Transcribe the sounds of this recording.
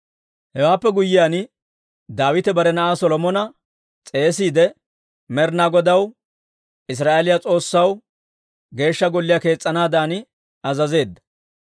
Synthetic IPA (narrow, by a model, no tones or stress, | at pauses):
hɛwaːpːɛɡʊjːɪjaːn | d̪aːwɪt̪ɛbɐɾɛnɐʔaːsɔlɔmɔnɐ | t͡sʼe̞ːs̬iːd̪ɛ | mɛɾnaɡɔd̪ɐw | ɪs̬ɾaːʔelɪjat͡sʼo̞ːsːɐw | ɡe̞ːʃːɐɡɔlːɪjake̞ːt͡sʼːɐnaːd̪aːnɪ | ɐzɐze̞ːd̪ːɐ̥